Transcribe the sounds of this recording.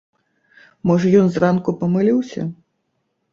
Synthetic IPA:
mɔʐɐjɔnzrankupɐmɨlʲiwsʲɐ̰

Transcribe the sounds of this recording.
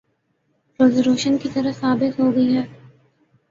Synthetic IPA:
pɾoːzəɾuːʃənkit̪ɐɾəsaːbɪt̪ɦoːɡɐiɦɛː

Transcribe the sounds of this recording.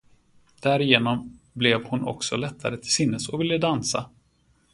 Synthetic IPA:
d̪̥æːɾɪjeːnɔm | blɛvhʊnʔɔ̰ksɔlɛt̪ʰːaɾət̪ʰɪlsɪnːəsɔvɪlːəd̪ansa̰

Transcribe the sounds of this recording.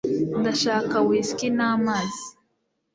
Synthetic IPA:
nd̪aʃakawiskinamazi

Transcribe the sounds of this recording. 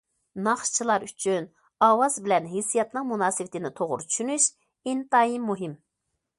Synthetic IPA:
nɑχʃt͡ʃʰilˠɑɾyt͡ʃʰyn | ɑːwɑzbɪlɛnɦesːijɑt̪nɨŋmunɑːsɨwɪt̪ʰɪnɪt̪ʰoʁʊ̰ɾʊt͡ʃʰy̥ʃynyʃ | int̪ɑjimːuɦɪm

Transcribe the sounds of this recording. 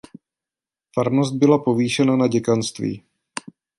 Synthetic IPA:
faɾno̞st̪̚bɪlapoviːʃɛnanaɟɛkanst̪vḭː

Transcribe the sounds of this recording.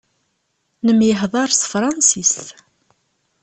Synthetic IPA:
nəmjəɦðˤɑɾˤsfɾˤɑnsist̪

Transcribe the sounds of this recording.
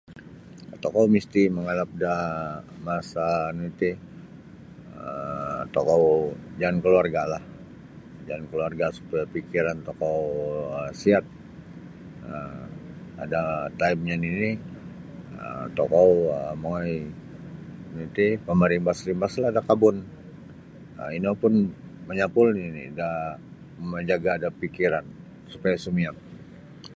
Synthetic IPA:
t̪okowmist̪iməŋalap̚damasanuit̪i | ət̪okowd͡ʒankəluarɡalah | d͡ʒankəluarɡasu̥paapikiɾant̪ɔkowəsiat̪̚ | ə | a̰dat̪aimɲanini | ə̰mt̪ɔkɔwəmaaj | nit̪ipəmaɾɪŋbasɾimbaslaadakabʊn | ə̰inapʊnməɲapʊlninḭda | məɲd͡ʒaɡaːdapikiɾan | supajasumiaŋ

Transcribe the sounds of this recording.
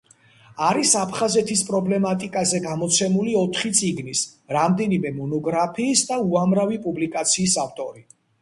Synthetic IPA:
aɾisapʰχazɛt̪ʰispʼɾɔblɛmat̪ʼikʼazɛɡamɔt̪sʰɛmuliɔt̪ʰχit̪sʼiɡnisɾamd̪ɛnimɛmɔnɔɡɾapʰiːsd̪auamɾavipʼublikʼat̪sʰiːsaft̪ʼɔɾi

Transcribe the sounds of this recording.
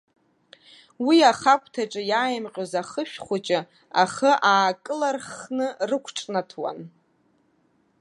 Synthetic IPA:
wiaχakʷʰʼtʰaʈ͡ʂʼɨjaːjɪmqʲʼozaχəʃᶣχʷat͡ʃʼɪ | aχəʔaːkʼɨlarχnɨrɨkʷʰʈ͡ʂʼnatʰwa̰n

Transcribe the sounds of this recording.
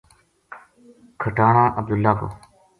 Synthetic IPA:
kʰəʈaːɳãːʔəb̚d̪ʊlːaːko̰ː

